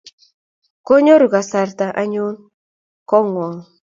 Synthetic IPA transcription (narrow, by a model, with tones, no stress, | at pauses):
ko˦ɲo˦ɾu˨ɡa˨sa˨rt̪a˨ʔa˦ɲu˦n | kɔ˦ŋwɔ˨ŋ